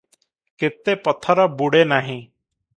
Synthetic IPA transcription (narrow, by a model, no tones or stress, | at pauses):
kɪt̪ːepət̪ʰəɾəbuɽenaːɦĩ